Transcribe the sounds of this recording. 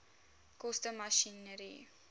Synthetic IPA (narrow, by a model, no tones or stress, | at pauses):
kɔstəmaʃinəɾḭ